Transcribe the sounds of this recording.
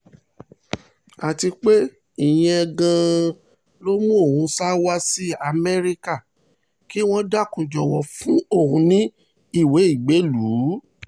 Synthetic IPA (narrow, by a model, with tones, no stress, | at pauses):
a˨ti˧k͡pe˦ | i˦˨j̃ɛ̃˧ɛ˧ɡã˧ | lo˦mũ˦o˦˨hũ˨˧sa˦wa˦si˦a˧˨mɛ˦ɾi˧ka˦˨ | ki˦w̃ɔ̃˦da˦˨kũ˨d͡ʒɔ˨wɔ˨fũ˦o˦˨hũ˧nĩ˦ | i˦˨we˨˦i˦˨ɡ͡be˨˦lu˨˦